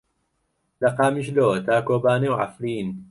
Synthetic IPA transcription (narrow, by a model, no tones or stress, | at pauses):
lɐqaːmiʃlot̪aːkoːbaːnewʕa̰fɾiːn